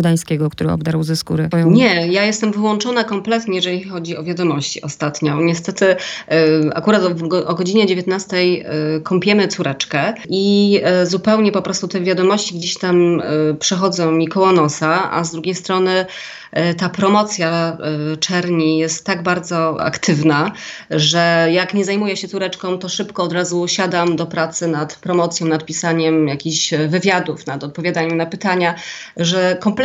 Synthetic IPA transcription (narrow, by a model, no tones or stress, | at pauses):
d̪aj̃skʲɛɡɔkt̪uɾɘɔ̰bd̪aɾwzɛskṵɾɘɲɛjajɛst̪ɛmvɘwɔnt͡ʂɔnakɔmplɛt̪ɲɛjɛʐɛlʲixɔd͡ʑiɔvʲjad̪ɔmɔɕt͡ɕḭɔst̪at̪ɲɔ̃ɲɛst̪ɛt̪ɘ | a̰kuɾat̪vɡʔɔɡɔd͡ʑiɲɛd͡ʑevʲjet̪nast̪ɛjkʰɔmpʲjɛmɘt̪suɾʔɛt͡ʂkɛʔizupɛwɲɛpɔpɾɔst̪ut̪ɛvʲjad̪ɔmɔɕt͡ɕiɡd͡ʑeɕt̪ampʂɛxɔd̪zɔ̃mʲikɔwɔnɔsaa̰zd̪ɾuɡʲejst̪ɾɔnɘ | t̪apɾɔmɔt̪sʲjat͡ʂɛɾɲijɛst̪ːaɡbaɾd̪zɔa̰kt̪ʰɘvnaʐɛjakɲɛzajmujɛɕɛt̪suɾɛt͡ʂkɔ̃w̃t̪ɔʂɘpkɔːd̪ɾazuɕad̪amd̪ɔpɾat̪sɘnat̪pɾɔmɔt̪sʲjɔ̃w̃nat̪̚pʲisaɲɛmjakʲiɕvɘvʲjad̪ufnat̪ɔt̪̚pɔvʲjad̪aɲɛmnapɘt̪aɲa | ʐɛkɔmp